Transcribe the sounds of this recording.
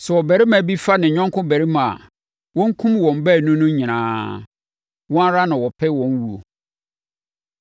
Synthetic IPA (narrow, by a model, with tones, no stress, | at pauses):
sɛ˨wɔ˨bæ˨ɾɪ˦mã˨bi˦fa˦nɪ̃˨ɲᶣɔ̃˦ŋkʰʊ̃˦bæ˨ɾi˦mã˨a̰˨ | wɔ̃˦ŋ̩˦kʰũ˦mwɔ̃˨m˨˦bæ˦˨nũ˦nʊ̃˦ɲĩ˨nã̰ː˨˦ | wɔ̃˦a˦ɾa˦nɪ̃˨wɔ˨pʰɛ˦wɔ̃˨˦n˦wu˨o̰˨